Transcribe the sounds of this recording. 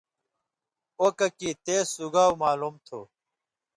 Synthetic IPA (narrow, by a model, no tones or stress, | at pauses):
oːkɐkit̪eːsuɡaːumaːlumt̪ʰo̰ː